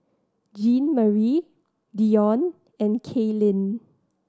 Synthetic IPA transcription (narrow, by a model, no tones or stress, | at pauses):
d͡ʒĩnməɹi | diɔ̃n | ɛ̃nkʰelĩn